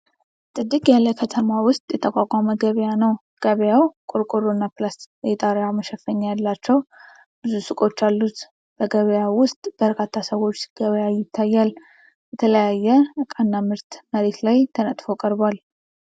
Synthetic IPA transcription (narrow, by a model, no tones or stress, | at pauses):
t̪ʼɨd̪ːɨkʼjalːəkʰət̪ʰəmawʊst̪ʼjɛt̪ʰəkʷʼakʷʼaməɡəβjanəw | ɡ̥əβjawkʼoɾkʼoɾonːaplasjjɛt̪ʼaɾaməʃɛfəɲːajalːat͡ʃːɛw | b̥ɨzusɨkʼo̞t͡ʃːalːut̪ | b̥əɡəβjawʊst̪ʼb̥əɾkʰat̪ʰːasəwo̞t͡ʃːsɡ̥əβjajɪt̪ʰːajːal | jɛt̪ʰələjajːɛəkʼanːamɨɾt̪məɾe̞t̪lajt̪ʰənət̪ʼfokʼəɾbwal